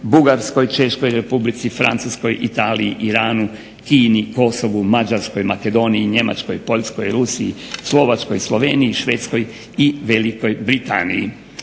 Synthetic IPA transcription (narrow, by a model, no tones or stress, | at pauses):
buɡaɾsko̞jt͡ʃe̞ʃko̞jɾe̞publit̪sifɾa̰nt̪susko̞jʔit̪aːliḭʔiɾaːnu | kiːniko̞so̞ʋumad͡ʒaɾsko̞jmake̞d̪o̞niiɲe̞ma̰t͡ʃko̞jpo̞ʎʲsko̞jɾusiḭslˠo̞ʋat͡ʃko̞jslˠo̞ʋeːniiʃʋe̞ːt̪sko̞j | iʋe̞liko̞jbɾit̪a̰niḭ